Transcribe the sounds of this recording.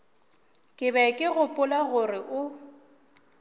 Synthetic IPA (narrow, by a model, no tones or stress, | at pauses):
kʼɪβɛkʼɪɣʊpʼʊlaɣʊrɪʔʊ